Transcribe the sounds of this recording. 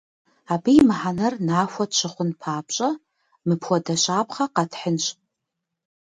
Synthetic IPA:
aːbijmħanɐrnaːxʷɔtʃʷʰɨχʷʊnpʰaːpɕʼɐ | mɨpʰxʷɔdɐɕʷʼaːpχɐqɑtʰħɪnɕʼ

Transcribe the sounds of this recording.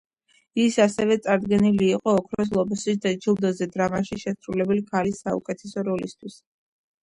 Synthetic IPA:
isasɛvɛt̪sʼaɾd̪ɡɛniliːqʼɔːkʰɾɔs̬lˠɔbɔsisd̪ɛd͡ʒilˠd̪ɔzɛd̪ɾamaʃiʃɛsɾulɛbɛlikʰalisːaṵkʼɛt̪ʰɛsɔɾɔlist̪ʰwis

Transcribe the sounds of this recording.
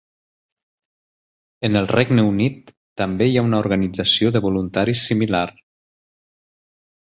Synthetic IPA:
ənəlˠrɛɡnəunit̪ː | əmbejaunauɾɣənid͡zəsioðəβulunt̪aɾisːimilaɾ

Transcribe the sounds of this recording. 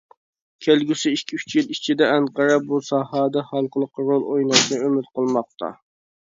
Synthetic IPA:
kʲʰelɡʲysɪikʲʰːiyt͡ʃʰjɪlit͡ʃʰid̪ɛɛnqɑɾɑbusɑːhɑːd̪ɑχɑlˠqʰəlˠəqːɑɾolˠojnɑʃnɑømɪt̪̚qʰəlˠmɑq̚t̪ɑ̰

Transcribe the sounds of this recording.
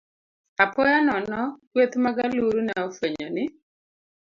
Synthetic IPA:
apɔjanɔnɔkwet̪maɡaluɾunɛofweɲɔnɪ

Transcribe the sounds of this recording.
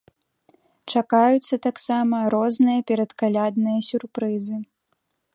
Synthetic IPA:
t͡ʂakajut̪sːɐt̪aksamɐɾɔznɨjɐpʲɛɾɐt̪kalʲad̪nɨjɐsʲurpɾɨzɨ

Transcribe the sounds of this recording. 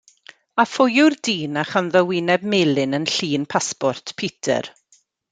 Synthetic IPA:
afʊjʊrdiːnaχanðəwɪnɛbmɪlɪnənɬiːnpʰaspɔrtʰpʰitʰə̰r

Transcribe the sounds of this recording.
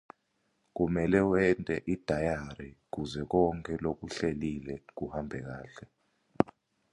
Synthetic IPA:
k̬umɛlɛwɛntʼɛ̰ʔid̥ʱajaɾik̬uzɛk̬ɔŋkʼɛlok̬uɬelilɛk̬uhambʱɛk̬aːɬɛ

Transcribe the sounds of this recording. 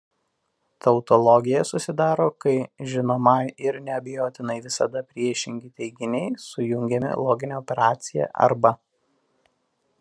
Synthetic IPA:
t̪ɐʊt̪ɔlˠɔɡʲɪjɛsʊsʲɪd̪ɑːɾoːkɐɪʒʲɪnoːmɑɪɪɾnʲɛɐbʲɛjoːt̪ʲɪnɐɪʋʲɪsɐd̪ɐpʲɾʲiɛʃʲɪŋʲɡʲiːt̪ʲɛɪɡʲɪnʲɛɪsʊjʊŋʲɡʲɛmʲɪ̰lˠoːɡʲɪnʲeɔpʲɛɾɑːt̪sʲɪjɛ̰ʔɐ̰ɾbɐ

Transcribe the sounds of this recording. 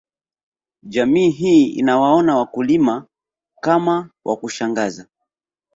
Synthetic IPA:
d͡ʒamiːɦiḭnawaɔnawakulima | kamawʔa̰kuʃaŋɡaza

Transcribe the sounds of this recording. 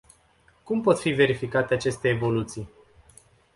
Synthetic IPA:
kumpo̞t̪five̞ɾifikat̪eat͡ʃe̞st̪e̞ːvo̞lut̪sij

